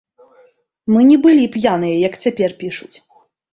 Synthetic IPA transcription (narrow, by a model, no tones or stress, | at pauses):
mɨnʲɛbɨlʲipjanɨjɐjɐkt͡sʲapʲɛrpʲiʂut͡sʲ